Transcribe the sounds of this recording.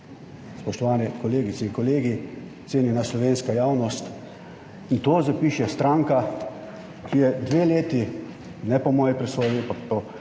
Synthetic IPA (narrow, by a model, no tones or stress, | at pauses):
spɔʃt̪ɔʋaːnɛkɔleːɡitsɛiŋkɔleːɡi | t̪seːninaslɔʋeːnskajaːwnɔst̪ | int̪oːzapiːʃɛst̪ɾaŋka | kijɛd̪ʋeːleːt̪i | nɛpɔmɔːjipɾɛsɔːjimpakpɔ